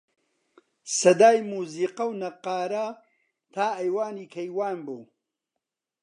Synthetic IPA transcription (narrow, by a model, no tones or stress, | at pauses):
sɐd̪aːjmuːziːqɐwnɐqaːɾɐ | t̪ʰaːɐjwaːniːkʰɐjwaːnbuː